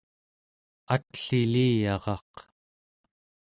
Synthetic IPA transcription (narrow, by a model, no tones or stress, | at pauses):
at̪ɬiliːjɑʁɑ̰q